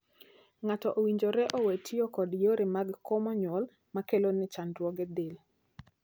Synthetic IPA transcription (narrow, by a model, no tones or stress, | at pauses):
ŋatɔʔowiɲd͡ʒoɾɛʔowetʰijokɔdjoɾemaɡkɔmɔɲwɔl | makelonɪt͡ʃanɾwɔɡɛd̪ɪl